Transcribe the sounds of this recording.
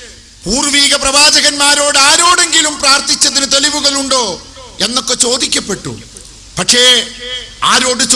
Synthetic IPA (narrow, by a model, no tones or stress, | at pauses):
puːrʋiːɡɐprɐʋaːd͡ʑɐɣɐnmaːɾo̞ːɽɨaːɾo̞ːɽe̞ŋɡilumpraːrt̪it͡ɕːɐðinɨt̪eliʋuɣɐɭuɳɖo̞ː | e̞nːo̞kːe̞t͡ɕo̞ːd̪ikʲːɐpːe̞ʈːṵ | pɐkʂe̞ | aːɾo̞ːɽɨt͡ɕ